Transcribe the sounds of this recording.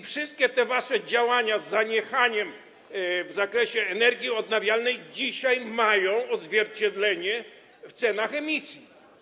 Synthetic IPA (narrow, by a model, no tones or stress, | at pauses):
ifʂɨst̪̚kʲɛt̪ɛvaʂɛd͡ʑawaɲazːaɲɛxaɲɛm | vzakɾɛɕɛːnɛɾɡʲjiɔd̪̚navʲjalnɛjd͡ʑiɕajmajɔ̃w̃ɔd̪zvʲjɛɾt͡ɕɛd̪lɛɲɛ | ft̪sɛnaxɛmʲisʲji